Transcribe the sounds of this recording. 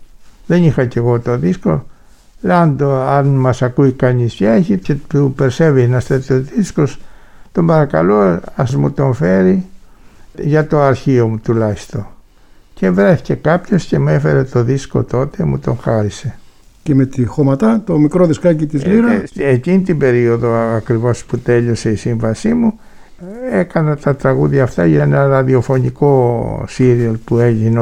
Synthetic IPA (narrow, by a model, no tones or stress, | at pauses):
ðe̞nixɐce̞ɣo̞t̪o̞ðisko̞̰ | land̪oɐnmɐsakuikɐɲisceeçiceupeɾsevenɐst̪et̪ioðisko̞st̪ombɐɾɐkɐ̰loɐzmṵt̪o̞nfeɾi | ʝɐt̪o̞ɐɾçiomut̪ulɐist̪o̞ | ce̞vɾe̞θi̥ce̞kɐpço̞sce̞mue̞fe̞ɾe̞t̪o̞ðisko̞̰t̪o̞t̪e̞mṵt̪o̞ŋxɐɾise̞ | cemet̪ixomɐt̪ɐt̪o̞mikɾoðeskɐcit̪izliɾɐecinit̪ibe̞ɾio̞ðo̞ɐkɾivo̞sput̪e̞ʎo̞se̞isiɱvɐsimu | ekɐnɐt̪ɐt̪ɾɐɣuðɐːft̪ɐʝeenɐɾɐðio̞fo̞niko̞siɾiɐlpue̞ʝine